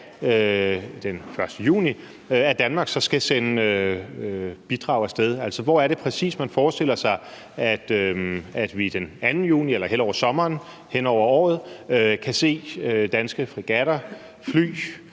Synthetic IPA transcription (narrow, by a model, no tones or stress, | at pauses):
ød̥enfɶɐsd̥əjṵːni | æd̥ænmɑ̈ːɡ̥sɒ̽sɡ̥æsenəøøb̥id̥ʁɑ̈ːʊæsd̥eð̞ˠæl̰sɒ̽ʋɒæɐɾ̥e̝pʰʁɛsḭːsmænfɒːsd̥e̝l̰ɐsɑ̈ɪ | æd̥øæd̥ʋid̥enænn̩jṵːnielɐɦel̰ɒʊ̰ɐsɒ̽mɐːn | hen̰ɒʊ̰ɐɒ̰ːð̞̩ˠøkʰæse̝̰ːød̥ænsɡ̥əfʁiɡ̥æɾ̥ɐ | fly̰ː